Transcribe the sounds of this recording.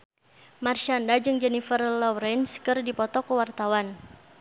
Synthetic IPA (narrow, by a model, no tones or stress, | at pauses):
marʃandad͡ʒɨŋd͡ʒɛnifərlɔɾɛnskɨrdipɔt̪ɔkəwart̪awan